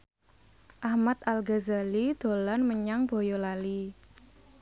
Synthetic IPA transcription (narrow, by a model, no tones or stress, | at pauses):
ʔahmat̪alɡazalid̪̥o̤lanməɲaŋb̥o̤jolali